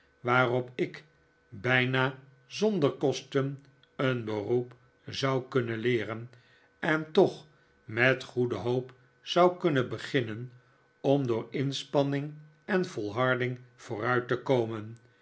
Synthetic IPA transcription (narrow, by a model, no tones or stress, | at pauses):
ʋaːrɔpɪk | bɛjnaː | zɔndəɹkɔstən | ənbərup | zɑwkɵnəlɪːrən | ɛntɔχ | mɛtχudəɦowp | z̥ɑwkɵnəbəχɪnən | ɔmdʊːɹɪnspɑnɪŋ | ɛnv̥ɔlˠɦɑɹdɪŋv̥oːrœɥtəkowmən